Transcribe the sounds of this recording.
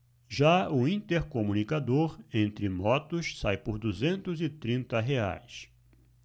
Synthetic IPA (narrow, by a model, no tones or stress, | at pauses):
ʒaʊĩnt̪eɾkomũnikad̪oɾẽnt̪ɾɪmɔt̪ʊssajpʊɾd̪uzẽnt̪ʊzɪt̪ɾĩnt̪ɐɦea̰js